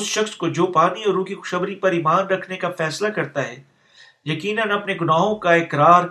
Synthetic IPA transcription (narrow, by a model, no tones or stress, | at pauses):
ʊsʃɐxskod͡ʒoːpaːniɔɾũːkixʊ̥ʃɐbɾipɐɾɪmaːnɾɐkʰnekafɛːslakɐɾt̪aɦɛː | jɐkiːnənɐpneɡʊnaːɦõkaɪkɾaːɾ